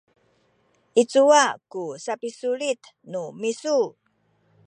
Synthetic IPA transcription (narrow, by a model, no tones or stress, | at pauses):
ʔit͡suakusapisuɭit̪ | numisu